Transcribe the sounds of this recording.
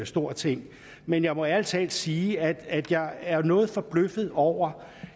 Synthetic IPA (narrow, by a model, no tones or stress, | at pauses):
sd̥o̝ɐ̰t͡sʰe̝ŋ̰ | menjɑ̈ɪmɒ̽æl̰t͡sʰɛ̰ld̥siːæd̥æd̥jɑ̈ɪæɐnɔ̽ːð̞̩ˠfɒ̽b̥løfð̞̩ˠɒʊ̰ɐ